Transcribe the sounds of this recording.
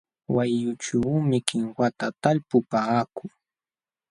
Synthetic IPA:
wajʊt͡ʃawmɪkɪŋwat̪at̪aʎpʊpaːkʊ

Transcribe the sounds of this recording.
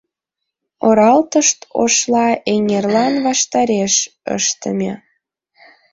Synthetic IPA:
oɾɑlt̪əʃt̪o̰ʃlɑeŋerlɑnβɑʃt̪ɑɾeʃ | ə̰ʃt̪ə̰mʲe

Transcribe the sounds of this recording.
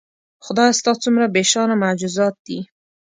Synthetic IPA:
xʊd̪ɑjast̪ɑt͡sumɾabeʃɑnamad͡ʒuzɑt̪̚d̪̥i

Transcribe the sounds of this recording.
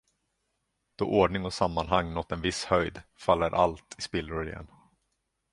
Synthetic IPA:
d̪̥ɔʔoɖɳɪŋɔsamːanɦaŋːnɔt̪ːɛnvɪshœjd̪falːəɾʔa̰lt̪ʰɪspɪlːɾʊɾɪjɛ̰n

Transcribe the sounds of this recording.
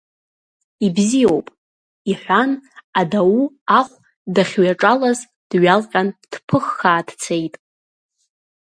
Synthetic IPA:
ibzijowpʼ | iħʷanadawu | aχʷ | daχʲɥaʈ͡ʂʼalaz | d̥ɥalqʲʼand̥pʰɨχːaːd̥t͡sʰe̞jtʼ

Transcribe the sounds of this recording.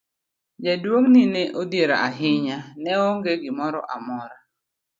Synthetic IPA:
d͡ʒadwoŋnɪneʔodjeɾa̰aɦɪɲanɛoŋɡeɡɪmɔɾɔ̰ʔamɔɾa

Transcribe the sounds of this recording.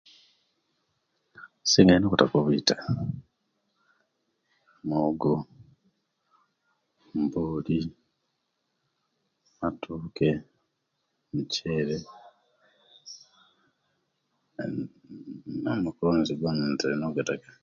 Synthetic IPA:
siŋɡainokutakoβitḁ | moɡo | mboːli | matʰuːke̞ | muceːɾe | omukuɾoneziɡanantalinoɡatakḁ

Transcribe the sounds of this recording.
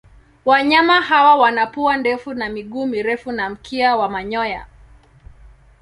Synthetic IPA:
waɲamahawawanapuandɛfunamiɠuːmiɾɛfunam̩kʰiawamaɲɔja̰

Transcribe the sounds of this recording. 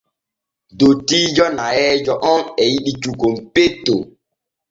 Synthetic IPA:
dotiːd͡ʒɔnaɛd͡ʒɔʔɔnɛjiɗit͡ʃukompetːo̰

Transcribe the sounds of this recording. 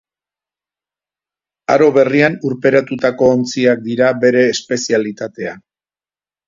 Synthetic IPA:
aɾo̞βe̞rianuɾpe̞ɾat̪ut̪ako̞ːnt͡siak̚d̪iɾabe̞ɾe̞ːspe̞sialit̪at̪e̞a

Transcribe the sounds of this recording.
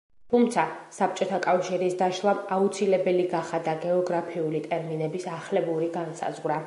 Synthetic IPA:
t̪ʰumt̪sʰasap̚t͡ʃʼɔt̪ʰakʼafʃiɾisd̪aʃlˠamaut̪sʰilɛbɛliɡaχad̪aɡɛɔɡɾapʰiulit̪ʼɛɾminɛbisaχlɛbuɾiɡansa̰zʁwɾa

